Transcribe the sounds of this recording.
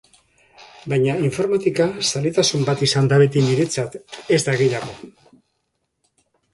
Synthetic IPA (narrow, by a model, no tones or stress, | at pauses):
bajɲaiɱfo̞ɾmat̪ikasalet̪asumbat̪isand̪aβe̞t̪̬iniɾe̞t͡sat̪e̞zd̪aɣiʎaɣo̞